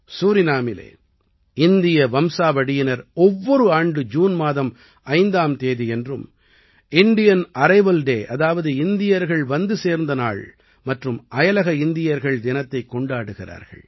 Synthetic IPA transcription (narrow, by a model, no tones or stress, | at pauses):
suːɾɪnaːmɪlḛː | ɪnd̪ɪjɐʋɐmsaːʋɐɽɪjɪnɐɾɔʋːɔɾɯaːɳɖɯd͡ʒuːnmaːðɐm | ɐɪnd̪aːmt̪eːðiɛndrɯm | ɪnd̪ɪjɐnɐɾɐɪʋɐlɖeːʔɐðaːʋɐðɯɪnd̪ɪjɐɾɣɐɭʋɐnd̪ɯseːɾnd̪ɐna̰ːɭ | mɐʈrɯmɐjɐlɐɣɐɪnd̪ɪjɐɾɣɐɭd̪ɪnɐt̪ːɐɪkːɔɳɖaːɽɯɣɪra̰ːɾɣɐ̰ɭ